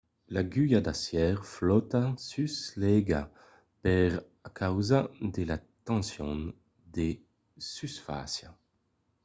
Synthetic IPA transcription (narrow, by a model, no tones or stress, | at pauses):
laɡyjad̪asjɛʁflɔt̪asyslɛɡa̰ | pɛʁ | akʰawzad̪elat̪ɑ̃sjɔ̃n | d̪e | sysfa̰sja